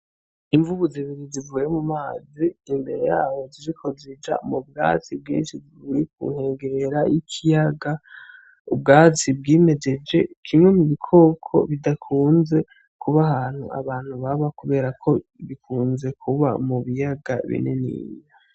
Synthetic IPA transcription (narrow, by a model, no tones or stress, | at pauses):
iɱvuβuziβiɾizivuːje̞mumaːziːmbe̞ɾe̞jaːβo̞ziɾikʰo̞zid͡ʒa̰mub̚ɡa̰ːt͡sibɡḭːnʃiziβujik̚ṵŋ̥he̞ːŋɡeɾe̞ɾaʔikʰijaɡa | ubɡaːt͡sibɡiːme̞d͡ʒe̞d͡ʒe̞kʰimŋe̞muβikʰo̞ːkʰo̞̰βidakʰuːnze̞ | kʰuβaɦaːn̥hṵa̰βaːn̥huβaβakuβe̞ːɾakʰo̞βikʰuːnze̞kʰuβa̰muβijaɡa̰βḭnḛnḭːja